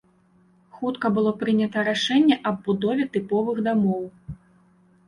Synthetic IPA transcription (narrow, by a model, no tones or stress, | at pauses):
xut̪kɐbɨlˠɔpɾɨnʲɐt̪ɐɾaʂɛnʲːɛʔɐbbud̪ɔvʲɛt̪ɨpɔvɨɣd̪amɔw